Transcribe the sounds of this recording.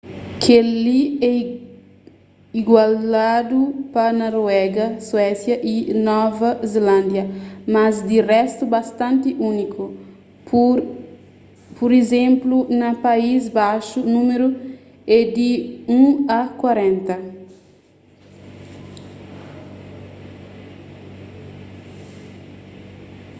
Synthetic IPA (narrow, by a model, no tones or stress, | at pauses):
kʰeliɛ | iɡwalad̪upɐnɔɾwɛɡɐswɛsjɐʔinɔvɐzelãnd̪jɐmazd̪irɛst̪ubast̪ãnt̪iʔunikʰu | puɾezẽmplunɐpaizbaʃunũmeɾu | ɛd̪iũakwaɾẽnt̪ɐ